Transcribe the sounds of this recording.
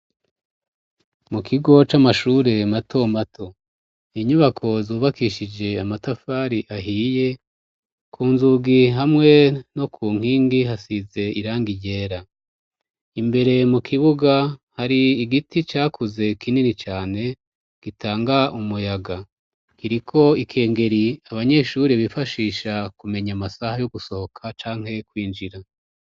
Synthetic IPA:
mukʰiɡo̞t͡ʃamaʃuːɾe̞matʰo̞matʰo̞ | iɲuβakʰo̞zuːβakiʃid͡ʒe̞amatafaːɾiʔaɦiːje̞ | kʰuːnzuɡiɦamŋe̞no̞kʰuːŋ̥iːŋɡiɦasize̞iɾaːŋɡijɟe̞ːɾa | imbe̞ɾe̞mukʰiβuɡahaɾiːɡitit͡ʃaːkʰuze̞kʰininit͡ʃaːne̞ | ɡ̥itʰaːŋɡaʔumujaɡa | kiɾikʰo̞ikʰe̞ːŋɡe̞ɾiaβaɲe̞ʃuɾiβifaʃiːʃakume̞ɲamasahajoɡuso̞hokʰat͡ʃaːŋ̥he̞kwiːnd͡ʒiɾa

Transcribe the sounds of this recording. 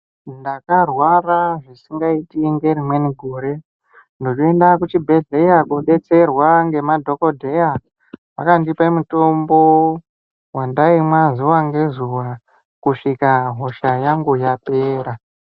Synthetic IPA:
ndakarwaraʐisiŋɡaitiŋɡe̞rimwe̞niɡʱoɾe̞ | ndo̞t͡ʃoe̞ndakut͡ʃibʱe̞ɮe̞jakuɓe̞t͡se̞rwaŋɡe̞madʱo̞ko̞dʱe̞ja | pakandipamuto̞mbo̞ | wandaimwazuwaŋɡe̞zuwa | kuʂikaɦo̞ʃajaŋɡujape̞ːɾa

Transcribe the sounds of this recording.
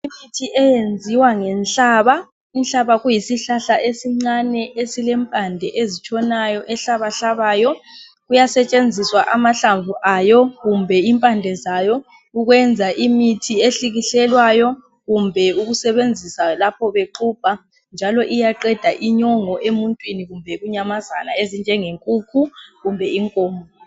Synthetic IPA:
imitʰiʔɛjend͡zʱiwaŋɛnɬaːβa | inɬaβaɣujisiɬaɬaʔesiŋ͡ǀanɛʔesilɛmpʼandʱɛʔezit͡ʃʰʼɔnajɔʔɛɬaβaɬaβaːjɔ | ɣujasɛt͡ʃʼend͡zʱiswaʔamaɬaɱvʱuʔajɔɣumbʱɛimpʼandʱɛzajɔ | uɣwɛnd͡zʱaʔimitʰieɬiɣiɬɛlwajɔ | ɣumbʱɛuɣusɛβend͡zʱisalapʰɔβeǃupa | nd͡ʒʱalɔʔijaǃɛd̥ʱaʔiɲɔŋɔʔemuntʼwiniɣumbʱɛɣuɲamaza̰naezind͡ʒʱɛŋeŋkʼukʰuɣumbʱɛiŋkʼɔːmɔ

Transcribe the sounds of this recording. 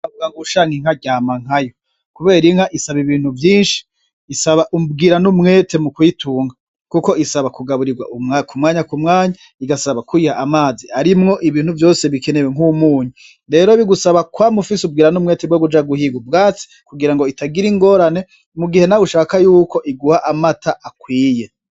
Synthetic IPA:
avuɡaɡuʃaːŋiŋ̥aɟaːmaŋ̥hajo | kuβe̞ːɾiŋhaʔisaβiβiːn̥huvjiːnʃi̥ː | saβaʔub̚ɡiːɾanumŋe̞ːte̞mukwituːŋɡa | kuko̞isaβakuɡaβuɾiɡwa̰ʔukumŋaːɲakumŋaːɲa | iɡasaβakwihaʔːmaːziaɾimŋo̞ʔiβiːn̥uvjo̞ːse̞βikeneweŋumuːɲu | ɾe̞ːɾoiβiɡusaβakwamufisub̚ɡiːɾanumŋe̞ːtebwoɡud͡ʒaɡuhiɡubɡaːt͡si̥kuɡiɾaŋɡo̞itaɡiɾiŋɡo̞ːɾane̞ | muɡihe̞nauʃaːkajuːko̞ʔiɡuhaʔamataʔakwiːje̞

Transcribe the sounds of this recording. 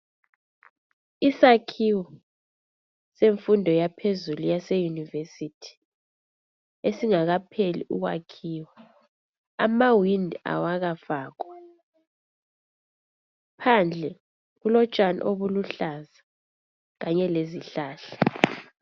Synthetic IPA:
isakʰiwɔ | seɱfundʱɔjapʰezulujasejunivesitʰi̥ | esiŋaɣapʰelḭʔṵɣwa̰kʰiːwa | amawindʱa̰waɣafaːɣɔ | pʰand͡ɮʱɛ | ɣulɔt͡ʃʼana̰ʔoβuluɬaza | ɣaɲɛleziɬaːɬa

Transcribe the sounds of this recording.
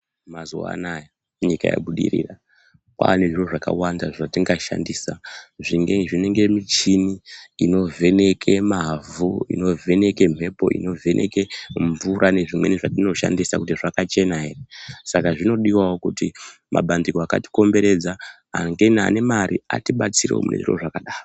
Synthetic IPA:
mazuwa̰naja | uɲika̰ja̰ɓuɗḭrḭːra | kwa̰neʐiroʐaka̰wandaʐatiŋɡaʃa̰ndiːsaʐiŋɡeʐine̞ŋɡe̞mit͡ʃiniino̞vʱe̞ne̞kʰe̞mavuḭno̞vʱe̞ne̞ke̞m̤ʱe̞po̞̰ʔḭno̞vʱe̞nʔe̞̰ke̞ɱvuɾʔane̞ʐimwe̞̰niʐatino̞ʃa̰ndisakutiʐakat͡ʃe̞naɦe̞resakaʐino̞ɗiwawokuti | mʔa̰ɓandikoaka̰ti̥ko̞mbe̞ɾe̞d͡za | aŋɡena̰ne̞maɾia̰tiɓat͡siɾḛo̰mune̞̰ʐḭro̞̰ʐakaɗaːro

